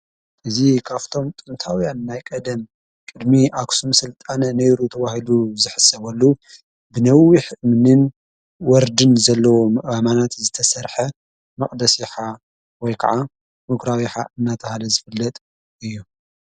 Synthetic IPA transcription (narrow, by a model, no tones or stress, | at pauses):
ʔɨzikʰaft̪ʰo̞mt̪ʼɨmt̪ʰawjanːajkʼɐd̪ɐm | kʼɨd̪miʔaksumsɨlt̪ʼanɐnejɾut̪ʰɐβahiluzɨħɨsɐβɐlːu | bɨnɐwiħɨmɨnɨn | wɔɾd̪ɨnzɐlːɐwomɐʔamanat̪zɨt̪ʰɐsɐɾħɐ | mɐχʼd̪ɐsiħa | wɔjkʰɐ̰ʕa | mɨɡɾawiħa̰ʔɨnːat̪ʰɐhalɐzɨfɨlːɐt̪ʼ | ɨjːu